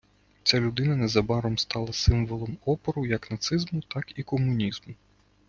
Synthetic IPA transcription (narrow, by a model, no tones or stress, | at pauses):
t͡sʲalʲʊd̪ɪnɐnɛzɐbɑɾɔmst̪ɑlˠɐsɪmʋɔlˠɔmɔpɔɾʊjɐknɐt̪sɪzmʊt̪ɑkikɔmʊnʲizmʊ